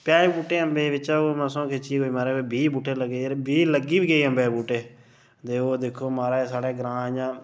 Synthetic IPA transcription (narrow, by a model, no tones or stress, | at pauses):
pjaːeːbuːʈeːəmbeːʋɪt͡ʃaoməsõːkʰet͡ʃiːɡoːiːmaːɾeːobiːbuːʈʰːeːləɡebiːləɡiːbiːɡəiːəmbeːbuːʈeː | t̪eːoːd̪eːkʰːoːmaːɾeːsaːɽeːɡəɾãːd͡ʒãː